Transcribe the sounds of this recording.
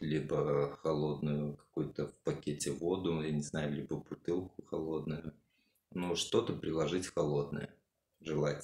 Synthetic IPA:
lʲibəxɐlˠo̞d̪nʊjʊkɐ̥kujʊt̪əfpɐkʲetʲɪvo̞d̪ʊjʲanʲɪznajʊlʲibəbʊt̪ɨlˠkʊxɐlˠo̞d̪nʊjʊ | nuʂt̪o̞t̪əpɾʲɪlˠɐʐɨtʲxɐlˠo̞d̪nə̰jə̰ | ʐɨlˠatʲ

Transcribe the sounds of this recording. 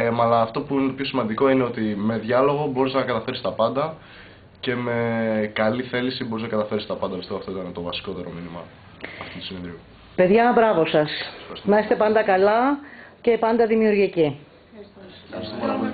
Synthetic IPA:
mɐlɐːft̪o̞puineopçosimɐnd̪iko̞ineo̞t̪ime̞ðʝɐlo̞ɣo̞bo̞ɾisznɐkɐt̪ɐfe̞ɾist̪ɐpɐnd̪ɐ | ce̞me̞kɐliθe̞lisibo̞ɾiznɐkɐt̪ɐfe̞ɾist̪ɐpɐnd̪ɐbiseoɐft̪o̞it̪ɐnt̪o̞vɐsi̥ko̞t̪e̞ɾo̞̰minimɐ̰ː | ft̪i̥nt̪u̥sinenðɾiu | pe̞ðʝɐbɾɐvo̞sɐsxɐɾsnɐist̪e̞pɐnd̪ɐkɐlɐce̞pɐnd̪ɐðimiuɾʝici | ɐst̪o

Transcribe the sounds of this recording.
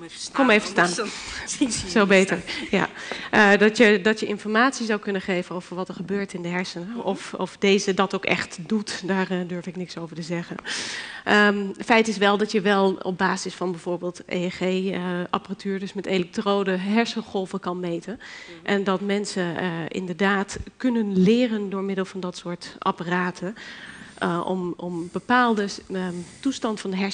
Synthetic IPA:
kɔmeːvəstaːn | sobeːtəɹja̰dɔtjədɔtjəʔɪnfɔɹmaːtsizawkønəχeːvənov̥əɹʋɔtəɹχəbøːɹtɪndəɦɛɹsənɔfɔfdeːzədɔtowkɛ̰χtdutdaːrdøɹfɪknɪksowvəɹtəzɛɣənʔətfɛjtɪsʋɛlˠdɔtjəʋɛlˠɔ̰b̚baːzɪsfɑnbɛjv̥oːɹbeːlˠtḛχeʔa̰pəratʰyːɹdøsmɛtelɛk̚troːdəɦɛɹsəχɔlˠvəkɑnmejtənʔɛndɔtmɛnsəɪ̰ndəɹdaːtkønənlɪːrəndʊːɹmɪdəl̩ˠfɑndɑtsʊːɹtʔa̰pəraːtʰə | ʔɔ̰mɔmbəpaːlˠdətustɑntfɑndəɦɛ

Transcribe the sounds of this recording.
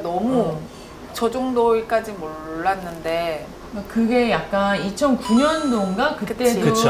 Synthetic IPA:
nʌmu | t͡ɕʌd͡ʑoŋdoik͈ad͡ʑimoɭːanːɯnde̞ | akɯɡe̞jak̚k͈anit͡ɕʰʌnkuɲʌndoŋɡakɯt͈e̞do

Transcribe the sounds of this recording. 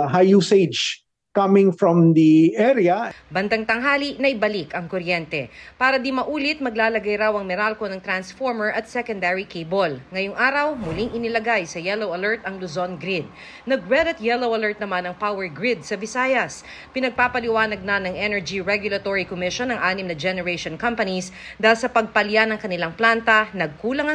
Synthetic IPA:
ɦajused͡ʒ | kɐmɪ̃ŋfɹɔ̃md̪iʔɛɾiɐbɐnd̪ɐŋt̪ɐŋɦaːlinɐʔɪbɐlikɐŋkoɾjɛnt̪ɛpaːɾɐd̪imɐʔuːlɪt̪̚mɐɡlaːlɐɡajɾawɐŋmɪɾalko̞nɐŋt̪ɾansfoɹmɛɹʔɐt̪̚sɛkond̪ɛɹikejbolŋɐjʊŋʔaːɾɐwmʊliŋʔɪnɪlɐɡajsɐjɛlowɐlɛɹt̪ɐŋlʊzonɡɾɪd̪̚ | nɐɡɹɛd̪ɪt̪jɛlowʔɐlɛɹt̪̚nɐmanɐŋpawɛɹɡɹɪd̪̚sɐbɪsaːjɐs | pɪnɐɡ̚paːpɐlɪwaːnɐɡ̚nɐnɐŋʔɛnɛɹd͡ʒiɹɛɡjʊlɐt̪oɹikomɪʃonːɐŋʔaːnɪmnɐd͡ʒɛnɛɹɛʃonkɐmpɐnisd̪aːɪlsɐpɐɡ̚pɐljanɐŋkɐnɪlaŋplant̪ɐnɐɡ̚kuːlɐŋɐ

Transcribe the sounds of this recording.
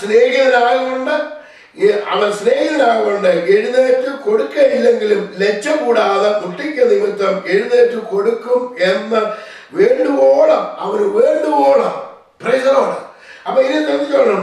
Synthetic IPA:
sneːɣiɐɐɾaːɣɐɣoɳɖɨ | ɐ̰ʋɐnsneːɣiðɐɾaːɣɐɣoɳɖɨeɻuðeːtːɨko̞ɽukːɐilːeŋɡilumle̞t͡ɕːɐkuːɽaːðɐuʈːikʲːɐnimit̪ːɐme̞ɻuðeːtːɨko̞ɽukːumenːɐ | ʋeːɳɖupoːɭɐmɐʋɐnɨʋeːɳɖuʋoːɭɐm | prɐjsɐɾoːɽɐ | ɐpːɐːinik̪ɐnːikʲːɐɐɳu

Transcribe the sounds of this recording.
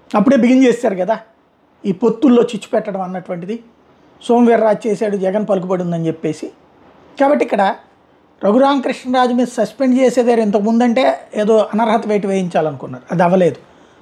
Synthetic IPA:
ɐpːuɽeːbiɡind͡ʒeːsaːɾuɡɐd̪aː | iːpot̪ːulːo̞ːt͡ʃit͡ʃːu̥pɛʈːɐɽɐmɐnːɐʈuʋɐɳʈid̪i | so̞ːmʋɛːɾːaːd͡ʒt͡ʃeːsaːɽud͡ʒɛɡɐnpɐluk̬ubɐɽund̪ɐnit͡ʃepːe̞ːsi | kaːbɐʈːikːɐɽɐ | ɾɐɡuɾaːŋkɾiʂɳɐɾaːd͡ʒumiːd̪ɐsɐspeɳɖt͡ʃeːseːd̪aːɾuent̪̬ɐkumund̪ɐɳʈe̞ːeːd̪oːʔɐnɐɾɦɐt̪ɐʋeːʈ̬iʋeːjiɲt͡ʃaːlɐnukunːaːɾuɐd̪ɐʋɐle̞ːd̪u

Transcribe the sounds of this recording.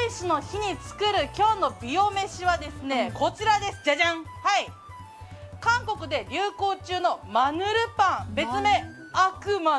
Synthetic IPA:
iɕino̞çiɲ̟it͡sɨ̥kɯ̟ɾɯ̟kʲo̞ːno̞bʲio̞me̞ɕiβad̪e̞sɨne̞ko̞t͡ɕiɾad̪e̞sɨd͡ʑaʑãŋhai | kãŋko̞kɯ̟d̪e̞ɾʲɯːko̞ːt͡ɕɨːno̞manɯ̟ɾɯ̟pãŋbe̞t͡st͡sɨme̞ | akɯ̟ma

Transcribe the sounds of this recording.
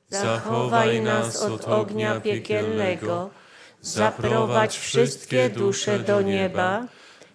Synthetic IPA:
z̥axɔvajnasɔd̪ɔɡɲapʲjɛkʲɛlnɛɡɔ | zapɾɔvat͡ɕfʂɘst̪̚kʲɛd̪uʂɛd̪ɔɲɛba

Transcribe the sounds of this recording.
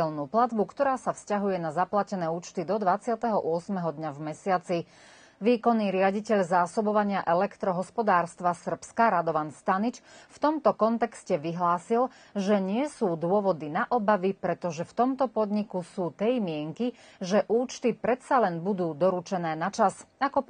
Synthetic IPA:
ɛlnuːplad̪bukt̪ɔɾaːsafscaɦujɛnazaplacɛnɛːuːt͡ʃt̪id̪ɔd̪ʋat͡sɪat̪ɛɦɔʔʊɔsmɛɦɔd̪ɲavmɛsɪat͡si | ʋiːkɔnːiːɾɪaɟicɛʎzaːsɔbɔʋaɲɪaʔɛlɛkt̪ɾɔɦɔspɔd̪aːɾst̪ʋasr̩pskaɾad̪ɔʋanst̪anit͡ʃft̪ɔmt̪ɔkɔnt̪ɛkscɛʋiɦlaːsil | ʒɛɲɪɛsuːd̪ʊɔʋɔd̪inaʔɔbaʋipɾɛt̪ɔʒɛft̪ɔmt̪ɔpɔd̪ɲikusuːt̪ɛjmɪɛŋki | ʒɛʔuːt͡ʃt̪ipɾɛt̪t͡salɛnbud̪uːd̪ɔɾut͡ʃɛnɛːnat͡ʃasakɔ

